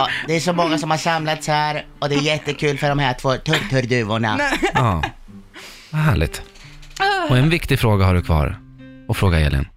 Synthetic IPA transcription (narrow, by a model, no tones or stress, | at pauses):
d̪ɛæʂɔmɔŋːasɔmhaʂamlat̪shæːɾ | ɔd̪ɛːɾjɛt̪ːəkʰʉ̟ːlfœɖɔmhæːʈʰvoːt̪ʰɵɾt̪ʰɵɾd̪ʉ̟ːʊɳa̰ɑː | vaɦæːɭɪ̰ɡ̚t̪ | ɔɛnvɪkt̪ɪfɾoːɡahaɖɵkʰvɑ̰ːɾ | ɔfɾoːɡaɛ̰lʔɪ̰n